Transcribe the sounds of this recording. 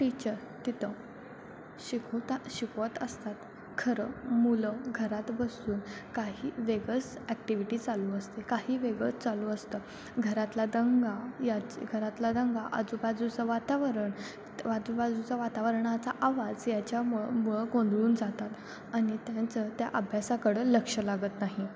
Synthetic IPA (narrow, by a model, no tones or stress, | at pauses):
ʈit͡ɕəɾ | t̪it̪ʰə | ɕikʰot̪ɕikʰʋət̪əst̪at̪ | kʰəɾəmuləɡʱəɾat̪bəsuːnkaɦiːʋeɡət͡sɛkʈiʋiʈiːt͡saluəst̪ekaɦiːʋeɡət͡st͡saluəst̪ə | ɡʱəɾat̪lad̪əŋɡajat͡ɕɡʱəɾat̪lad̪əŋɡaʔə̰d͡zubad͡zut͡səʋat̪aʋəɾəɳ | ʋad͡zubad͡zut͡saʋat̪aʋəɾɳat͡saʔaʋad͡zjat͡ɕjamuɭəkõnd̪ʱɭuːnd͡zat̪at̪ | aɽ̃it̪jãt͡sət̪ja̰ʔəbʱjasakəɽələkʂəlaɡət̪naɦi